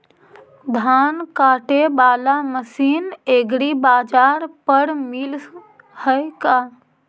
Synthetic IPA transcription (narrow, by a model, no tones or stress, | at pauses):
d̪ʱaːnkaːʈebaːlaməsiːneːɡɾibaːd͡ʒaːɾpəɾmɪl | həkaː